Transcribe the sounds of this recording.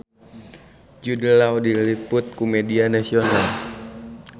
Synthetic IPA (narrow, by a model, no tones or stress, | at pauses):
d͡ʒudəlawdilipʊt̪̚kumɛdianasional